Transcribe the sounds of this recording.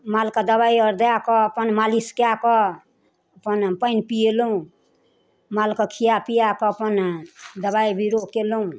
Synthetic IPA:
malkad̪əβajʌɾd̪əjakɔpənmaliskjakɔ | əpənpəjnpieloũ | malkɔkʰijapijakɔːpənd̪əβaibʱiɾokeloũ

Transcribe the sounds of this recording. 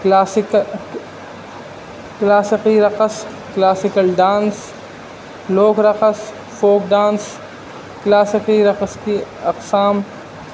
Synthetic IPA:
kaːsk | klaːsɪqiɾɐqəs | klaːsɪkəlɖãːns | loːkɾɐqəs | foːk̚ɖaːns | klaːsɪqiɾɐqəskiɐqsaːm

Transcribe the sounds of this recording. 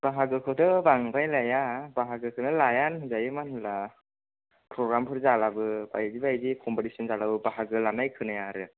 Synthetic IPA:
b̥aɦaɡɯkʰɯtɯbaŋbajlajabaɦaɡɯkʰɯnɯlajanzajɯmanhɯla | pʰɾɔɡɾampʰɯɾzalabɯba̰jzibajzikʰɔmpɔtisɔnzalabɯbaɦaɡɯlanajkʰɯnajaɾɯ

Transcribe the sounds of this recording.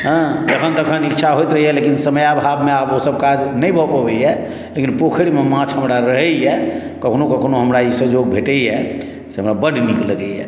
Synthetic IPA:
ɦə̃d͡ʒ̪əkʰənt̪əkʰənikːt͡ʃʰaɦojt̪ɾəɦijɛlekinsəməjabʱabmeabosəb̚kad͡ʒnəjbʱɔpɔbɛjɛ | lekinpokʰɽimemãt͡ʃʰɦəmɾaɾəɦɛjɛkəkʰnokəkʰnoɦəmɾaisəd͡ʒoɡ̚bʱeʈɛjɛ | seɦəmɾabəɖnikləɡɛɦɛ̰

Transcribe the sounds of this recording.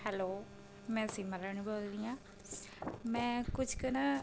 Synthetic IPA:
hɛloː | mɛ̃ːsiːməɾaːnũboːld̪iːãː | mɛ̃ːkʊd͡ʒkəna

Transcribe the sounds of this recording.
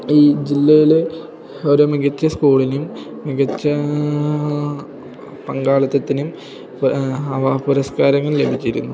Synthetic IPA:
iːd͡ʑilːɐjile | oɾumiɡɐt͡ɕːɐskuːɭinum | miɡɐt͡ɕːɐ | pɐŋɡaːɭɐt̪ːɐt̪ːinum | ɐpuɾɐskaːɾɐŋːɐɭlebʱit͡ɕːiɾṵnːu

